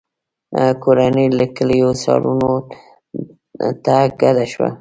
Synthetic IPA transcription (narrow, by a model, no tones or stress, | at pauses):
koɾanəjləkəlijosɑ̰ɾuno | t̪aɡad̪aʃwa̰